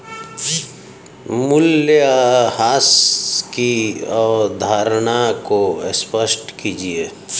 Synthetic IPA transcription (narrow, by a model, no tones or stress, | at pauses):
mʊljɦaːskiɔːɾd̪ʱaːɾɽakoɪspəsʈkid͡ʒieː